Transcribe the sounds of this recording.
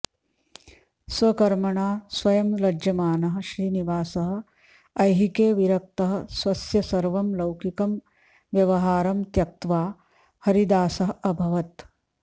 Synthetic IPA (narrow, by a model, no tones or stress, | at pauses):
sʋɐkɐɾmɐɳaːsʋɐjɐmlɐd͡ʒɐmaːnɐɦɐ̆ʃɾiːniʋaːsɐɦɐ̆ | ɐjɦikeːʋiɾɐk̚t̪ɐɦɐ̆sʋɐsjɐsɐɾʋɐmlɐwkikɐm | ʋjɐʋɐɦaːɾɐmt̪jɐk̚t̪ʋaː | hɐɾid̪aːsɐɦɐbʱɐʋɐt̪